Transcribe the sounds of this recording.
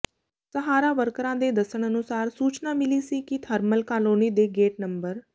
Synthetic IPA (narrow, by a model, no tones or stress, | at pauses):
səɦaːɾaːʋəɾkɾãːd̪eːd̪əsəɳənʊsaːɾsuːt͡ʃnaːmɪliːsiːkɪt̪ʰəɾməlkaːloːniːd̪eːɡeːʈnəmbəɾ